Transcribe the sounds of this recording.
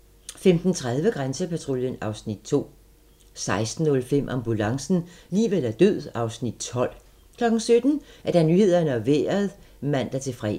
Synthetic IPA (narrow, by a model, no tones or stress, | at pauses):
femd̥n̩t͡sʰʁað̞ˠʋəɡ̥ʁansəpʰæt͡sʰʁoljənɑ̈ʊsnid̥̚t͡sʰo̝̰ː | sɑ̈ɪsd̥n̩ːɔ̽lfem̰ʔɑ̈mb̥ulɑ̈ŋsn̩liːʋel̰æɐd̥øð̰ˠɑ̈ʊsnid̥̚t͡sʰɒ̽l̰ | kʰlɒ̽ɡ̥n̩sød̥n̩æɐd̥ænyːhe̝ð̞̰ˠɐnəɒʋḛːɐðˠ | mæn̰d̥æɐt͡sʰe̝fʁɛ